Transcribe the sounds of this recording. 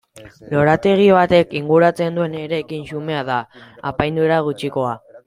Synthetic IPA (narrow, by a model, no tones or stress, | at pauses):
lo̞ɾat̪e̞ɣ̞iβat̪e̞kiŋɡuɾat͡se̞nd̪ue̞neɾe̞kinsume̞aðaːpajnd̪ueɾaɣ̞ut͡ʃiko̞a